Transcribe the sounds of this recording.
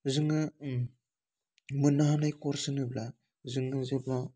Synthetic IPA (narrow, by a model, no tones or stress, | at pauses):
zɯŋɯ | mɯnaɦanajkɔɾsɯnɯbla | zɯŋɯzebla